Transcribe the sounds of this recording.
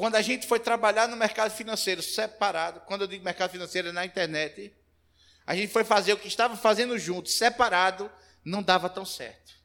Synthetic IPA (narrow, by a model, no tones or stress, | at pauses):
kwɐ̃nd̪ʊaʒẽnt̪ɪ̥fojt̪ɾabaʎaɾnʊmɛɾkad̪ʊfinɐ̃sejɾʊsɛpaɾad̪ʊkwɐ̃nd̪ʊewd̪iɡʊmɛhkad̪ʊfinɐ̃sejɾʊnɐĩt̪ɛɾnɛt̪ɪ | aʒẽnt̪ɪ̥fojfazeɾʊkɪiʃt̪avɐfazẽnd̪ʊʒũnt̪ʊ̥ssɛpaɾad̪ʊ | nɐ̃w̃d̪avɐt̪ɐ̃w̃sɛ̰ɾt̪ʊ̥